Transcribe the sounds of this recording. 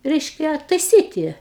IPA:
ˈrʲɛɪʃʲkʲɛ tɐɪˈsʲiːtʲɪ

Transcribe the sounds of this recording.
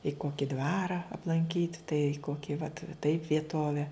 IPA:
ɪ ˈkoːkʲɪ ˈdʋɑːrɐ ɐplˠɐŋʲˈkʲiːtʲ tɐɪ ˈkoːkʲɪ ʋɐt tɐɪp ʋʲiɛˈtoːʋʲɛ

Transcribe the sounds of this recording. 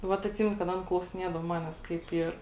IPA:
ˈʋɐt ɐtʲˈsʲiːmʲɛnʊ kɐt ˈɐn klˠɐʊsʲɪˈnʲiɛdɐw ˈmɑːnʲɛs kɐɪp ˈiːr

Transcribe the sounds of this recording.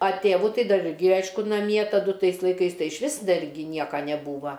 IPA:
ɐ ˈtʲeːʋʊ ˈtɐɪ ˈdɐr ˈɪrʲɡʲɪ ˈɐɪʃkʊ nɐˈmʲiɛ tɐˈdʊ ˈtɐɪs lˠɐɪˈkɐɪs ˈtɐɪ ɪʃʲˈʋʲɪs ˈdɐr ɡʲɪ ˈnʲiɛkɐ nʲɛˈbuːʋɐ

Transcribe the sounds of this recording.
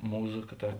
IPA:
ˈmuːˌzɐ kɐ ˈtɐ

